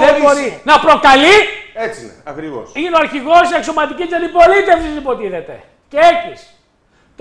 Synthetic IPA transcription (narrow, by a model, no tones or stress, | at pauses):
ðembo̞ɾinɐpɾo̞kɐliet͡sineɐkɾivo̰sineoɐɾçiɣo̞siekso̞mɐt̪icisɐd̪ipo̞lit̪e̞fsisipo̞t̪iiðe̞t̪e̞̰ | ceecis | t̪